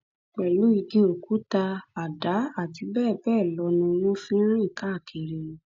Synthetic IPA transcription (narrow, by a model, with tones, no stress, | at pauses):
k͡pɛ˨lu˨˦i˧ɡĩ˧˦o˨ku˨˦ta˧a˨da˨˦a˦˨ti˧˦bɛː˦˨bɛː˦˨lɔ˧˦nũ˧nũ˦fĩ˦ɾ̃ĩ˦i˦˨ka˨˦˨kʰe˨ɾe˧˨